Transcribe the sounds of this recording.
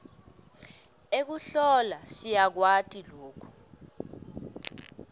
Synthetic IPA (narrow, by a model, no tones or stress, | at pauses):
ek̬uɬɔlasijak̬watʼiloːkʰu̥